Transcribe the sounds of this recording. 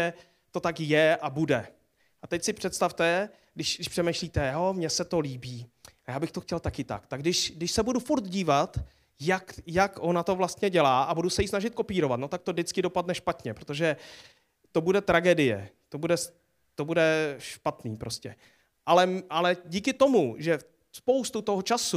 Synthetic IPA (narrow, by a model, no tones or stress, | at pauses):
ɛ | t̪o̞t̪akjɛʔabudɛ | ʔat̪ɛcsɪpr̝̥ɛt̪st̪aft̪ɛ | ɡdɪʃɡɪʃpr̥ɛmejʃliːt̪ɛjo̞mɲɛsɛt̪o̞liːbiːajaːbɪxt̪oxcɛlt̪akɪt̪a̰kt̪aɡdɪʃdɪʃsɛbudufuɾt̪ɟiːvat̪ | jakjakʔo̞nat̪o̞vlast̪ɲɛɟɛlaːʔabudusɛjisnaʒɪt̪̚ko̞piːɾo̞vat̪no̞t̪ak̚t̪o̞dɪt͡skɪdo̞padnɛʃpat̪ɲɛpɾot̪o̞ʒɛ | t̪o̞budɛt̪ɾaɡɛdɪjɛ̰t̪o̞budɛs | t̪o̞budɛʃpat̪niːpɾo̞scɛ̰ | ʔalɛʔalɛɟiːkɪt̪o̞muʒɛ | spo̞wst̪ut̪oɦot͡ʃasu